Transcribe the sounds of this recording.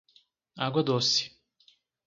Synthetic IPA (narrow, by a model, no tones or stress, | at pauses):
aɡwad̪osi̥